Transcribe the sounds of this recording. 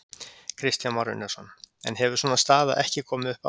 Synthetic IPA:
kʰɾɪst̪janmɔɾʏ̰nːɛsɔnɛ̰nɦɛvʏɾs̬ɔːnast̪aːða̰ʔɛhcɪkʰɔːmɪʏhpa

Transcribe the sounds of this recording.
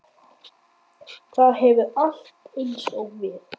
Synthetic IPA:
θaðɦɛvʏal̥t̪ɪlsɔɣvɛːð

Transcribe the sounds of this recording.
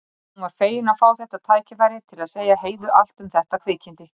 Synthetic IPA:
hunvaɾ̥feːjɪnafaːwθɛht̪aðt̪ʰaːjcɪfaɾjɪɾ̥t̪ʰɪlaðseːjaɦeːjðʏʔal̥t̪ʏmθɛht̪akʰvɪːcɪnt̪ɪ

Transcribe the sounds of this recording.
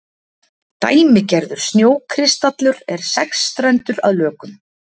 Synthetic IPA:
t̪a̰ːjmɪcɛɾðʏɾ̥snjoːwkʰɾɪst̪at̪lʏɾɛɾ̥sɛkst̪ɾɛnt̪ʏɾa̰ðlœːkʏm

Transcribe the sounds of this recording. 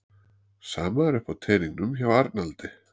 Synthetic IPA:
saːmaɾɛhpat̪ʰɛːɾiŋnʏmçavaɾt̪nalt̪ɪ

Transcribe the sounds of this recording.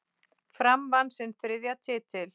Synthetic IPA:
fɾamvansɛnθɾɪðjat̪ʰɪːt̪ʰɪl

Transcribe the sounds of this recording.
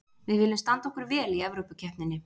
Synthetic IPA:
vɪðvɪːlːɪmst̪ant̪ɔhkʏɾvɛːliɛvɾowpacʰɛhpnɪnːɪ

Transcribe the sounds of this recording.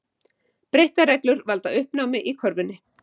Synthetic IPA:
pɾejht̪arɛklʏɾvalt̪aʏhpnawmɪʔikʰɔɾvʏnːɪ

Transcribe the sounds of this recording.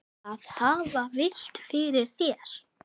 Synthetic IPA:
aðhaːvavɪl̥t̪fɪɾɪɾ̥θjɛɾ̥

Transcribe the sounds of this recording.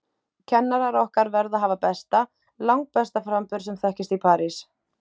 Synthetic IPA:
cʰɛnːaɾaɾɔhkaɾvɛɾðaɦaːvapɛst̪a | lawŋk̚pɛst̪afɾampʏɾ̥sɛmθɛhcɪst̪ipʰaːɾis

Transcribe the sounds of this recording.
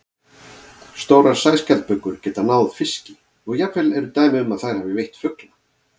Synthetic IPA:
st̪oːwɾaɾ̥saːjscɛlt̪̚pœkːʏɾ̥cɛːt̪anaːwð̥fɪscɪ | ɔɣjapfɛlɛɾʏt̪aːjmɪʏmaðθajɾ̥haːvɪvejht̪fʏkla

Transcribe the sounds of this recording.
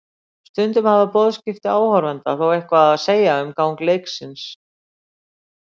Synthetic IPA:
st̪ʏnt̪ʏmhavapɔːðscɪft̪ɪaːwhɔɾvɛnt̪a̰θawejhkvaðaðseːjaʏmkaːwŋklejksɪns

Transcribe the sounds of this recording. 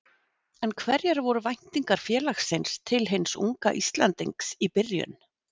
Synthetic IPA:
ɛnkʰvɛɾjɛɾvɔɾʏvajn̥t̪iŋkaɾ̥fjɛːlaxsejnst̪ʰɪlɦensṵŋka̰ʔist̪lant̪iŋksipɪrjʏ̰n

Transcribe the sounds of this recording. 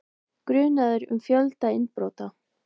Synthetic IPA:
kɾʏːnaðʏɾʏ̰mfjœlt̪aɪnpɾoːwt̪a

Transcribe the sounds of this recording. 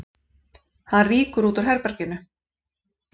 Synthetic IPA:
hanriːkʏɾuːt̪ɔɾ̥ɦɛɾpɛɾ̥cɪnʏ

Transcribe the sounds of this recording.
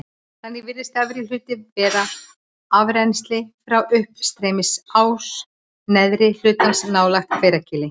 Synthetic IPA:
θanːɪvɪɾðɪst̪avɪɾil̥ʏːt̪ɪvɛːða | avɾɛnst̪lɪfɾawʏhpst̪ɾeːjmɪsaws | nɛðɾɪl̥ʏːt̪ansnaːwlaxt̪feːjɾacɪːlɪ

